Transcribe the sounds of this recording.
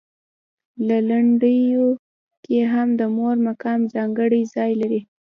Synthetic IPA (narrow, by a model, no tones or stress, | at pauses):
lalaɳɖəjo | keɦamd̪əmoɾmakɑmzɑŋɡəɽəjzɑjlaɾi